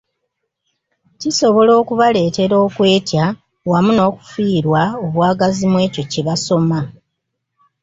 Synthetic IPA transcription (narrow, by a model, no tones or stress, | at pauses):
ciso̞βo̞lo̞ːkuβale̞ːte̞ɾo̞ːkwe̞ːtja | wamuno̞ːku̥fiːɾwaoβwaːɡazimwe̞ːco̞ciβaso̞ma